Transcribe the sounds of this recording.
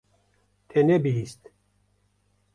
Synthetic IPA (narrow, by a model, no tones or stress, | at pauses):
t̪ʰenɛbiɦist̪